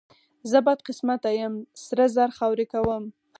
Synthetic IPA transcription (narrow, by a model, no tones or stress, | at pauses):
zəbɑjd̪̚qɪsmat̪ajəmsɾəzaɾxawɾekawəm